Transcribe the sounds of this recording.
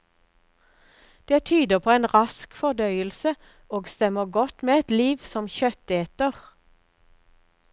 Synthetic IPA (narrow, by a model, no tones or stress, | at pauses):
d̪̥eːt̪ʰyːd̪əʁpʰoːeːnʁɑskfɔʁd̪œʏəlsə | oːɡst̪ɛməʁɡɔt̪meːɛt̪liːʋsɔmçœt̪eːt̪əʁ